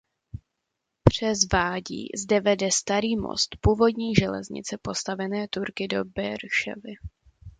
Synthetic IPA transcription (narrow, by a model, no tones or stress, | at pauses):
pr̝̥ɛzvaːɟḭːzdɛvɛdɛst̪aɾiːmo̰st̪puːvo̞dɲiːʒɛlɛ̰zɲɪ̰t͡sɛpo̞st̪avɛnɛːt̪uɾkɪdo̞bɛɾʃɛ̰vɪ